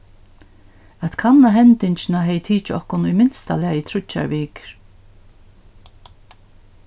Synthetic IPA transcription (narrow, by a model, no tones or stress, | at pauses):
at̪kʰanːaɦɛnt̪ɪɲt͡ʃɪnaɦɛjt̪ʰiːt͡ʃɪɔhkʊnʊjmɪnst̪a̰lɪaɪt̪ʰɾʊt͡ʃːa̰ɹviːk